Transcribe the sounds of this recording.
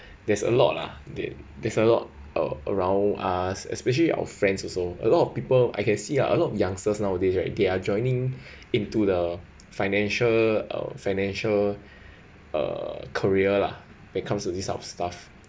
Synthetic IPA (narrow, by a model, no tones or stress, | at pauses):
dɛsə̰lɔ̰t̚la̰dɛ̰dɛsəlɔ̰t̚ | ʔə̰ə̰ɹãʊ̃nasɛ̰spɛʃ̬əliʔa̰wə̰fɹɛ̃ndsɔsoə̰lɔtɔfpipəla̰jkɛ̃nsila̰ʔə̰lɔtɔfjãŋstəsnaʊwədesɹaɪdead͡ʒɔ̃ɪ̃nĩŋ | ĩntudə | faɪnɛ̃nʃələ̰faɪnɛ̃nʃəl | ə̰kʰəɹiəla̰ | wɛ̃t̚kʰãmstudisa̰fstaf